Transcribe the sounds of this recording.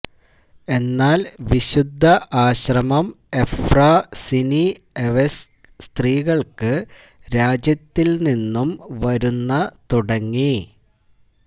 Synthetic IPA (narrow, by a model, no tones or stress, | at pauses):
e̞nːaːlʋiɕud̪ʱːɐʔaːɕrɐmɐm | e̞fraːsini | eʋes | st̪riːɣɐɭkɨ | ɾaːd͡ʑjɐt̪ːilninːumʋɐɾunːɐt̪uɽɐŋːi